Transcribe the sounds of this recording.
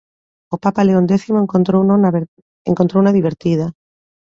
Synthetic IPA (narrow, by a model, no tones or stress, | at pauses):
opapaleond̪eθimoŋt̪ɾownn | ḛŋkont̪ɾownaðiβ̞eɾt̪iða